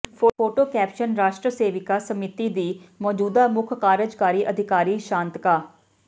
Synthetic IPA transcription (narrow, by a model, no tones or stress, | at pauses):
pʰoːoːʈoːkɛːpʃənɾaːʃʈɾəseːʋɪkaːsəmɪt̪iːd̪iːmɔːd͡ʒuːd̪aːmʊkʰkaːɾəd͡ʒkaːɾiːʔəd̪ʱɪkaːɾiːʃãːnt̪kaː